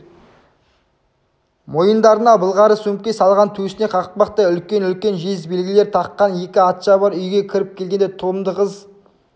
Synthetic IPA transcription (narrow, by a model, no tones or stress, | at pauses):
mo̞jənd̪ɑɾənɑbəlˠʁɑɾəsump̚kʲe̞sɑlˠʁɑnt̪ʰɵsɪne̞qʰɑʁəq̚pɑqt̪əʏlkʲe̞nʏlkʲe̞nʒezbe̞lɡʲɪle̞ɾt̪ʰɑqːɑnje̞kʲɪɑt̪ʃɑbɑɾʏjɡʲe̞kʲʰɪɾɪp̚kʲʰe̞lɡʲe̞nd̪et̪ʰʊlˠəmd̪əqəz